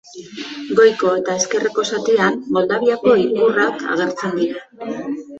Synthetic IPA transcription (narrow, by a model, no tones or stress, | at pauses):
ɡo̞jko̞e̞t̪ae̞ske̞reko̞sat̪ianːo̞ld̪aβiako̞iβuraka̰ɣ̞e̞ɾt͡se̞nd̪iɾa